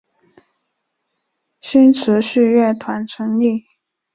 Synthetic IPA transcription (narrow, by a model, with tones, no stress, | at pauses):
ɕy˥nʈ͡ʂʰɻ̩˧˥ɕy˥˧ɥɛ˥˩t̪ʰwa˧˥nʈ͡ʂʰɤ˧˥ŋli˥˩